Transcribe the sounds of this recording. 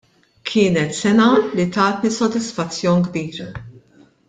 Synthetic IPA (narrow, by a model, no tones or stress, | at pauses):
kʰɪːnɛt̪sɛnɐlit̪ɐːt̪nisɔd̪ɪsfɐt͡sːjɔːnɡbiːɾɐ